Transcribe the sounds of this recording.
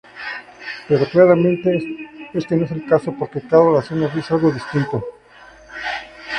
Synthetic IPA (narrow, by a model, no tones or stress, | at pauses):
pe̞ɾo̞klaɾamẽnt̪eest̪enoes̬elkaso̞po̞ɾkekaðolasjonːozd̪isealɣo̞ðist̪int̪o